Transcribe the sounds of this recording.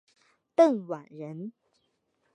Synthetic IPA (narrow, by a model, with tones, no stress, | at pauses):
t̪ə˥˩ŋwa˨˩nɻə˧˦˥n